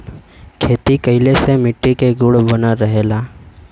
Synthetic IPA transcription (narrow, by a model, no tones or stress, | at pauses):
kʰeːt̪ikɐɪlesemɪʈːikeɡʊɽbənaɾəɦeːlaː